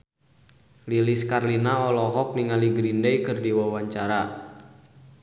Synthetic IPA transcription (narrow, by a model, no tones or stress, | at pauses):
liliskarlinaɔlɔɦɔk̚niŋaliɡɾindɛjkɨrdiwawaɲt͡ʃaɾa